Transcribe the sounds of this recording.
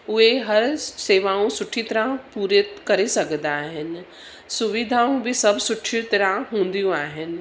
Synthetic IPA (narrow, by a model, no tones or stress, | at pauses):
ʊɦeɦɐɾseːʋaːũsʊʈʰit̪ɐɾãpuːɾekɐɾesɐɡnd̪aːɦɪnɪ̆ | sʊʋɪd̪ʱaːũbʱɪsɐbʱsʊʈʰit̪ɐɾãɦũːnd̪ijũaːɦɪnɪ̆